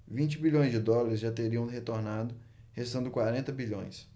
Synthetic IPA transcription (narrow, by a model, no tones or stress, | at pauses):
vĩnt͡ʃɪbiʎõj̃zd͡ʒɪd̪ɔlaɾɪzʒat̪eɾiɐ̃w̃het̪oɾnad̪ʊ | hest̪ɐ̃nd̪ʊkwaɾẽnt̪ɐbiʎõ̰j̃s